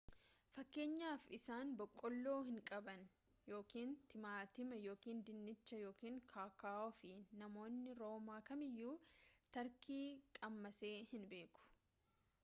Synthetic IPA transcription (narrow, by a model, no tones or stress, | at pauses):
fɐkːe̞ːɲːaːfɪsaːnbɔkʼːɔlːo̞ːhɪŋkʼɐbɐn | jo̞ːkiːnt̪ɪmaːt̪ɪmɐjo̞ːkiːnd̪ɪnːɪt͡ʃːɐjo̞ːkiːŋkʰaːkaːʔɔfɪnɐmo̞ːnːɪɾo̞ːmaːkɐmɪjːuːt̪ɐɾkiːkʼɐmːɐse̞ːhɪnbe̞ːkʊ̥